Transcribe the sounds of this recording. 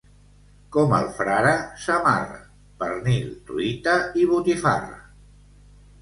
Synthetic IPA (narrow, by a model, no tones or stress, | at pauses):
kɔmə̰lˠfɾaɾəsəma̰rə̰ | pəɾnilt̪uit̪aiβ̞ut̪ifa̰r